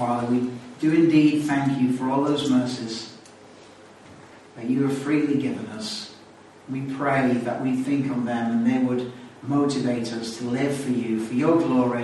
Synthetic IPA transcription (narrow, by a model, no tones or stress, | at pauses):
fɑːðə˞wid̥ɨɪ̃ndid̪̚θæ̃ŋkʰjɨfə˞ɔlˠðoʊzmɜ˞sɪz̥ | ðɨt͡ʃɨəfɹiliɡɪvə̃nʌs | wipʰɹ̥eɪðə̰ʔwiθɪ̃ŋkn̩ðə̃mə̃nðeɪwəd̚moʊɾɨveɪɾʌstʰəlɪv̥fə˞jɨfə˞jəɡlɔɹi